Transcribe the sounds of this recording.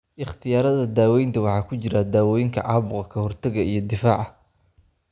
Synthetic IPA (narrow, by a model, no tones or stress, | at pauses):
ʔɪχt̪ʰɪjaːɾɐðɐd̪aːwɛjnt̪ʰɐwɑħɑːkʰʊt͡ʃɪɾɐd̪aːwɔjŋkʰɐ̰ʕɑːβʊqɑkʰɐhɔrt̪ʰɐɣɐijɞd̪ɪfaːʕɑ